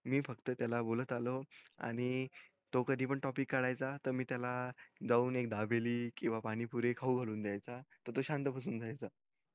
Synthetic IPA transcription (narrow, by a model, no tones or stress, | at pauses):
miːfəkt̪ət̪jalabolət̪aloa̰ɽ̃i | t̪okəd̪ʱiːpəɳʈɔpikːaɽajt͡sat̪əɾmiːt̪jalad͡zauːnek̚d̪abeliːkĩw̃ʋapaɽ̃ipuɾekʰauɡʱaluːnd̪jajt͡sat̪əɾt̪oɕant̪əpas̬uːnd͡zʱajt͡sa